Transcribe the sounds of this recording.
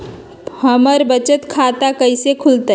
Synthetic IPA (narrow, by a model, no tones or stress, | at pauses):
həməɾbət͡ʃət̪kʰaːt̪akɐisekʰʊlt̪a